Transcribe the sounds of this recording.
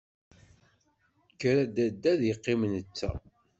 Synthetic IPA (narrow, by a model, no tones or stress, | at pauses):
kːɾæd̪æd̪ːæðjəqːimnət͡sːæ̰